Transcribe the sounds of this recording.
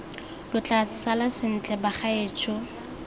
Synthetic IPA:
lʊt͡ɬʼasalasɪn̩t͡ɬʼɛbaχaeːt͡ʃʰʊ

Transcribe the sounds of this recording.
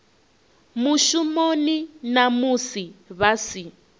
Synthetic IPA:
muʃumoninamusiβasi

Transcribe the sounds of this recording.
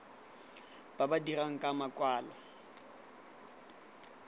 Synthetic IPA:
b̥abadiraŋ̩kʼamakʼwaːla

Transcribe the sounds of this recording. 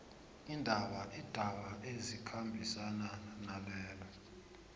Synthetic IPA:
indʱaɓaʔid̥ʱaɓaʔezikʰambʱisananalɛːlɔ

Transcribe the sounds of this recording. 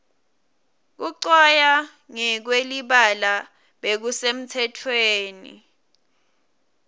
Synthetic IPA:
k̬uǀɔja | ŋɛk̬weliɓala | ɓek̬usem̩tʰɛtʰweːnḭ

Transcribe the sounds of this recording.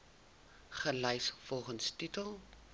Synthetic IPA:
χəlɛjsfɔlˠχənstitəlˠ

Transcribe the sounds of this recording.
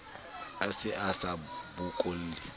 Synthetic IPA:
asɪʔasabʊkʼol̩ːɪ

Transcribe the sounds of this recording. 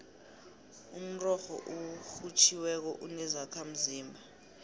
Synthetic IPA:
um̩rɔxɔ̰ʔuxut͡ʃʰiwɛk̬ɔʔunɛzakʰam̩ziːmbʱa

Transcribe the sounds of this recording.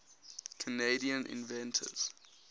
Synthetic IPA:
kʰəneɪdiə̃nʔɪ̰̃nvɛ̃ntʰə̰z̥

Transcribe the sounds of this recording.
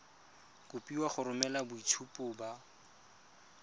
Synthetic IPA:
kʊpiwaχʊɾʊmɛlabʊitʰupʼʊba

